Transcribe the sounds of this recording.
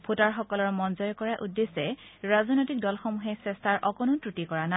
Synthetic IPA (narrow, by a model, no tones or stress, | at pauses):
pʰutaɹxɔkɔlɔɹmɔnzɔjɔkɔɹaʔudːesɛɹazɔnojtik̚dɔlxɔmuɦɛsɛstʰaɹʔɔkɔnʊtɹutikɔɹana